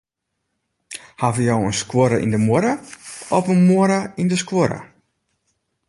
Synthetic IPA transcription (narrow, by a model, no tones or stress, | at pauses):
havəjowənskwoɾəʔḭndəmoɾəɔpənmoɾəindəskwoɾə̰